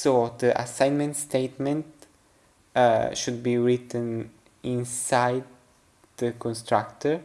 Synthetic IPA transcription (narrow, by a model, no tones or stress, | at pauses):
sod̪əʔa̰sãj̃nmɛ̃ntst̪eɪt̪mɛ̃nt | ʃud̪̚biɹɪt̪ə̃n | ĩnsaɪd̪ | dəkɔ̃nst̪ɹakt̪əɹ